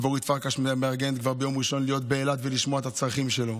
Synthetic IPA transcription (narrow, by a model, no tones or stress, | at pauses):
voʁit̪faʁkaʃmeaʁɡenet̪kvaʁbejo̞mʁiʃo̞nlijo̞t̪̚beːlat̪veliʃmoaet̪at͡sʁaχimʃelo̞